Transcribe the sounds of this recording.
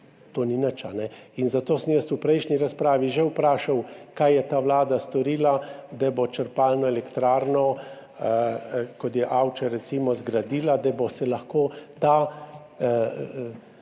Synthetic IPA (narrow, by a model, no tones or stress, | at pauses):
t̪oːninat͡ʃanɛinzat̪oːsəmjəst̪upɾɛjʃnɲiɾaspɾaːʋiʒɛupɾaːʃawkajjɛt̪aːʋlaːd̪ast̪ɔɾiːlad̪abɔt͡ʃəɾpalnɔɛlɛkt̪ɾaːɾnɔ | kɔt̪jɛʔawt͡ʃɛɾɛt̪simɔzɡɾad̪iːlad̪abɔsɛlaxkoːt̪a